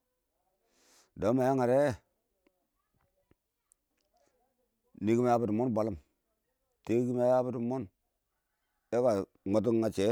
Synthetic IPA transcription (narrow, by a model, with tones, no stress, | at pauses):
do˨˦ma˨ja˦ŋa˨ɾe˦˨ | ni˨˦ki˦ma˦ja˦bu˨tu˨mo˦nba˨lu˦m | te˦ɡi˦ma˦ja˦bi˦du˨mo˦n | e˦ka˨ | ŋ͡ma˨t̬u˦ŋŋa˨t͡ʃe˨˦